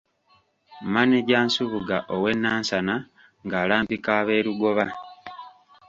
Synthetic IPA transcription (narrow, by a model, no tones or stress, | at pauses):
maneɟaːnsuβuɡaʔowe̞nːaːnsana | ŋɡaːlaːmbikaːβe̞ːɾuɡo̞βa